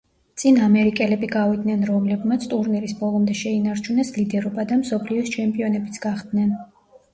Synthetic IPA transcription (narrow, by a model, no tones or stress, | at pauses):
t̪sʼinamɛɾikʼɛlɛbiɡavid̪nɛnɾɔmlɛbmat̪sʰt̪ʼuɾniɾisbɔlˠɔmd̪ɛʃɛinaɾt͡ʃʰunɛslid̪ɛɾɔbad̪amsɔpʰliɔst͡ʃʰɛmpʼiɔnɛbit̪sʰɡ̥aχd̪nɛn